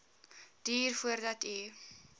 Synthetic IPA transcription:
d̥iːrfuərdɐti

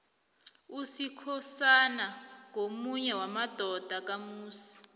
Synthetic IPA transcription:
usikʰɔsanaŋomuɲɛwamad̥ʱɔd̥ʱak̬amuːsi̥

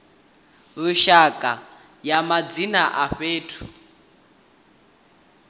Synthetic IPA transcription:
lʊʃakʼa | jamad͡zinaʔaɸeːtʰu̥

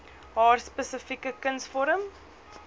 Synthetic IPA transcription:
ɦɑːrspəsəfikəkənsfɔɾəm

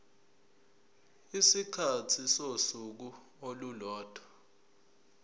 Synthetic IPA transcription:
isikʰatʰisosuk̬u | olulɔːd̥ʱḁ

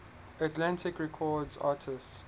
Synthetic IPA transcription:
ətlãntɪkɹɛkʰɔːdzaːtʰɪsts

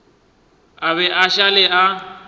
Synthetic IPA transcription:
aβɛʔaʃalɪa

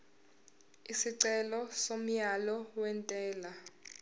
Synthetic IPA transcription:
isiǀɛlɔsom̩jalɔwɛntʼɛːla

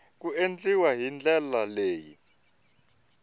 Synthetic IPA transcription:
k̬uend͡ɮʼiwaɦind͡ɮʱɛlaleːjḭ

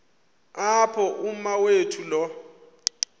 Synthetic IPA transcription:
apʰɔʔum̩mawetʰulɔ

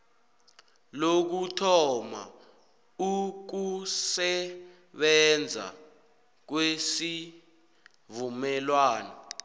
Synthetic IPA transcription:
lok̬utʰɔma̰ | uk̬usɛ | ɓɛnd͡zʱa̰ | k̬wesi | vumɛlwaːnɔ

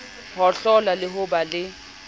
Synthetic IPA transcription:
hɔɬɔlalɪɦʊbalɪ

